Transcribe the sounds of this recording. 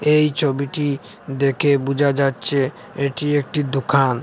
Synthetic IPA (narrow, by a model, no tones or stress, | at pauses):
ejt͡ɕʰobiʈi | d̪ekʰebud͡ʑʱad͡ʑatːɕʰe | eʈiek̚ʈid̪okʰan